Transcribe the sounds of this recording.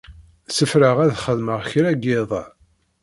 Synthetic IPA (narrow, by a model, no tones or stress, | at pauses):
səfɾəʁæðχəðməʁçɾæɡeðˤ